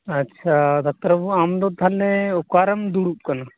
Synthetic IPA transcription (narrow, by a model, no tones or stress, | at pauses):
ɐtːʃʰad̪ɔk̚t̪ɐɾɐbuamd̪ɔt̪ʰalɛɔkaɾɐmd̪uɽup̚kana